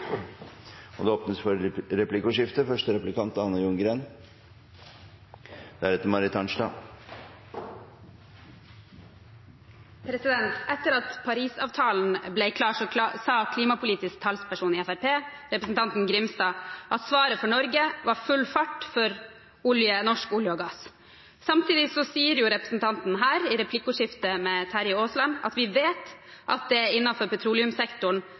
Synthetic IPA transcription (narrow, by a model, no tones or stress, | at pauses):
ɔd̪ɛoːpnəsfɔɾɾɛplɪkʊʂɪft̪əfœʂʈəɾɛplɪkɑnt̪ɑnːəjʊŋɡɾeːn | d̪̥æɾɛt̪əɾmɑɾɪt̪ʰɑnʂʈɑ̰ː | pʰɾɛsɪd̪ɛnt̪ʔɛt̪ːəɾɑt̪pʰɑɾiːsɑ̰ːʋt̪ʰɑːln̩blɛɪkʰlɑːʂɔsɑːkʰliːmɑpʊliːt̪ɪsk̚t̪ʰɑlspʰæʂuːnɪːɛfæɾpʰeː | ɾɛpɾəsnt̪ʰɑnt̪n̩ɡɾɪmst̪ɑːʔɑt̪sʋɑːɾəfɔɳɔɾɡəʋɑɾfʉlfɑʈːfɔɾ | ʊljənɔʂkʊljəɔːɡɑs | sɑmt̪ʰiːd̪ɪsɔsiːəɾjʊɾɛpɾə̥sn̩t̪ʰɑnt̪n̩ɦæːɾɪɾɛpʰlɪkːʊʂɪft̪əmɛt̪ʰæɾjɪoːslɑnɑ̰t̪ʋɪʋeːt̪ʔɑ̰t̪̚d̪ɛɪnːɑfɔɾpɛt̪ʰɾuːlɪʉmsɛkt̪ʊɳ